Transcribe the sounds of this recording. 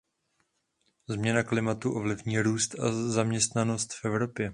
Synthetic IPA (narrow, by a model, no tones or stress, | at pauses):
zmɲɛnaklɪmat̪uʔo̞vlɪvɲiːɾuːst̪azamɲɛst̪nano̞st̪fɛvɾo̞pjɛ